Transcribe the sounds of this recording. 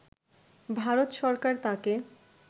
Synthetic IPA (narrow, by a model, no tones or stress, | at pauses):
bʱaɾot̪ʃɔɾkaɾt̪ãke